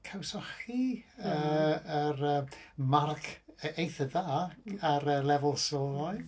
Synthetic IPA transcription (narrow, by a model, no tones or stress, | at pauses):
kʰawsɔχiəəɾəːmarkʰejθəðaːaɾəlɛvʊlˠsoːlɔj